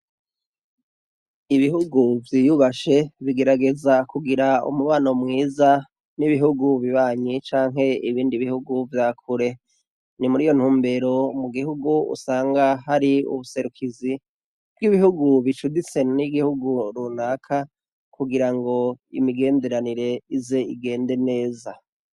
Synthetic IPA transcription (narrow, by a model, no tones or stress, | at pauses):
iβihuɡuvjijuβaʃe̞βiɡe̞ɾaɡe̞zakuɡiɾaṵmuβaːno̞mŋiːza | niβiɦuɡuβiβaːɲit͡ʃaːŋɦe̞iβiːndiβihuɡuvjaːkʰuɾe̞ | nimuɾiːjo̞n̥huːmbe̞ɾo̞muɡihuɡuṵsaːŋɡaɦaɾiṵβuse̞ɾukʰizi | b̥ɡiβihuɡuβit͡ʃudit͡se̞iɡihuɡuɾunaːkʰa | kʰuɡiɾaŋɡo̞ḭmiɡe̞ːnde̞ɾaniɾe̞ize̞iɡe̞ːnde̞ne̞ːza